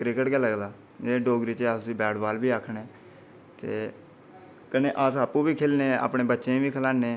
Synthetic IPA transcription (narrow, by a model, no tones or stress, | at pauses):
kɾɪkəʈɡɛːləɡlaː | d͡ʒeeːɖoːɡɾiːt͡ʃeaːsiːbɛːɽbaːlbiːaːkʰɳeː | t̪eː | kəneːʔaːsaːpuːbiːkʰeːlnẽːa̰ːpɳẽːbətːʃẽːbiːkʰəlaːnẽː